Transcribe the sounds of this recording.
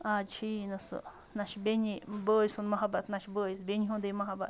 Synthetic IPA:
at͡ʃʰinũsṵ | nãʃbeɲĩbəjsunmãɦãbat̪nãʃbəjsbʲeɲiɦũnd̪emãɦãba̰

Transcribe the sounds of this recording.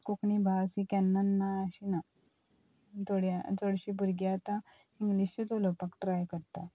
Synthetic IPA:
kukɳibʱasikɛnːənːaːɕina | t̪oɽjat͡soɽɕibuɾɡjat̪ã | iŋɡliɕut̪olopakʈɾajkəɾt̪a

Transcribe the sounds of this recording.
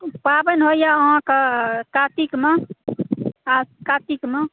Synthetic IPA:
pabənɦojaãkəkat̪ikme | akat̪ikme

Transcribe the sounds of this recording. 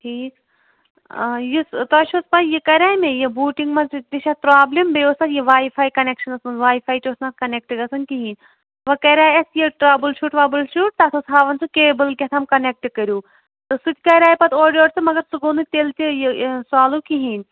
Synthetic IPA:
ʈʰiːkː | jist̪ɐːʃospɐjikɐɾʲaːjmejebuːʈiŋɡmɐnt͡sud̪iʃatpɾaːblimbeoːsɐjiʋaːifʰaːjkɐnekʃɐnɐsmɐnʋaːifʰaːjʈoːsnat̪kɐnek̚ʈɡɐsɐnkiɦiːnʲ | ʋɐkɐɾʲaːjɐsjiʈɾaːbɨlʃuːʈʋaːbɨlʃuːʈ̚t̪aːt̪ʰosɦaːʋɐnt͡sʰukeːbɨlkʲɐt̪ʰɐmkɐnek̚ʈkɐɾʲjuː | t̪ɨsut̪ʲkɐɾʲaːjpɐt̪ʰoːɖʲioːʈsɨmɐɡɐɾsuɡoːnut̪elt̪ijsaːluːkiɦiːnʲ

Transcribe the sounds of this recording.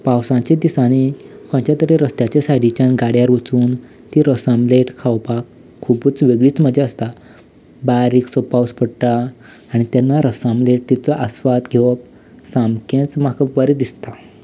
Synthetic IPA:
pawsãt͡ɕed̪isañikʰə̃ɳt͡ɕjat̪əɾeɾəst̪jat͡ɕesajɽit͡ɕãnɡaɽjaɾut͡suːn | t̪iɾəsamleʈkʰawpakʰː | ubuːt͡sʋeɡɭiːt͡sməd͡ʑaəst̪a | baɾiːksopawspəɽʈ̪aː | ɽ̃it̪janːaɾəsamleʈ̚t̪it͡səʔəsʋat̪ɡʱeʋəp | samkẽt͡smakəpʋaɾed̪ist̪a

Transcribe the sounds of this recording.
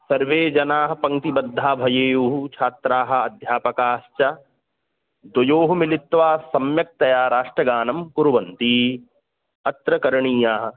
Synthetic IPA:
sɐɾʋeːd͡ʒɐnaːɦɐ̆pɐ̃ŋt̪ibɐd̪ʱːaːbʱɐjeːjuɦut͡ʃʰaːt̪ɾaːɦɐ̆ɐd̪ʱjaːpɐkaːʃt͡ʃɐ | d̪ɐjoːɦumilit̪ʋaːsɐmjɐk̚t̪ɐjaːɾaːʂʈɾɐɡaːnɐmkuɾuʋɐnt̪iː | ɐt̪ɾɐkɐɾɐɳiːjaːɦɐ̆

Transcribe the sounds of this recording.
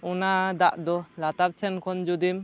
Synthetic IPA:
ɔnad̪aʔd̪ɔlat̪aɾt͡ʃʰɛnkʰɔnd͡ʒud̪im

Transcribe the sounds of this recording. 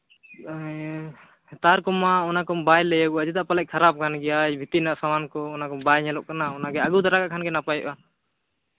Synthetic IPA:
t̪aɾkɔmaɔnakɔmbajlɛjaɡuad͡ʒɛd̪aʔpalɛʔ̚kʰaɾap̚kʰanɡɛjajbʱit̪inaʔsamankɔːnakɔmbajɲɛlɔʔkanaɔnaɡɛaɡut̪aɾakaʔkʰanɡɛnapajɔ̰ʔa

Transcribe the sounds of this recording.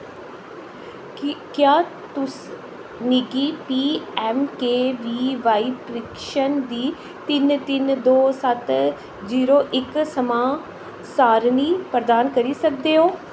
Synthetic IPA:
kjaː | t̪ʊs | nɪɡiːpiːɛːmkeːʋiːʋaːiːpɾɪkʃənd̪iː | t̪ɪnt̪ɪnd̪oːsət̪ | ziːɾoːʔɪksəmãː | saːɾniːpɾəd̪aːnkəɾiːsək̚d̪eːɦoː

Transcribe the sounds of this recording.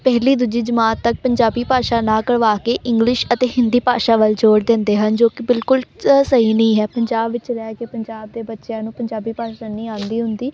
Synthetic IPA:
pɛːɦliːd̪ʊd͡ʒiːd͡ʒəmaːt̪ːək̚pəɲd͡ʒaːbiːpaːʃaːnãːkəɽʋaːkeːʔɪ̃ŋɡlɪʃət̪eːɦɪnd̪iːpaːʃaːʋəld͡ʒoːɽd̪ɪnd̪eːɦənd͡ʒoːkɪbɪlkʊlsəɦiːnəĩːɦɛːpəɲd͡ʒaːbʋɪt͡ʃɾɛːkeːpəɲd͡ʒaːb̚d̪eːbətːʃjãːnũːpəɲd͡ʒaːbiːpaːʃaːnĩːãːnd̪iːɦʊnd̪iː

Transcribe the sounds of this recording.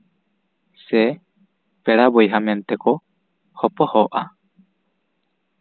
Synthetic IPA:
se | peɾabojɦament̪eko | hopohoʔa̰

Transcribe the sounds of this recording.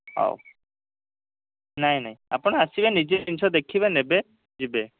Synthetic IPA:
a̰w | najnajapunaasibɛnized̪insɔd̪ekʰibɛnɛbɛ | zibɛ

